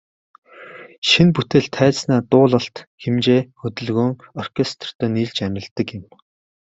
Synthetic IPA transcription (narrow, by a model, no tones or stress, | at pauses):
ʃinput̪ĕɮt̪ʰæːt͡ssnæːt̪ʊːɮə̆ɬt̪xemt͡ɕeːxɵt̪ɵ̆ɮɣuːŋɔrkʰest̪ʰr̥t̪ʰœːniːɮt͡ɕæmʲɪ̆ɮt̪ːə̆kɪ̆m